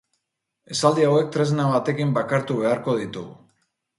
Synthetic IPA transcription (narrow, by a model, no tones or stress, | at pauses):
e̞sald̪iawe̞k̚t̪ɾe̞znaβ̞at̪e̞kimbakaɾt̪uβe̞aɾko̞ð̞it̪uɣu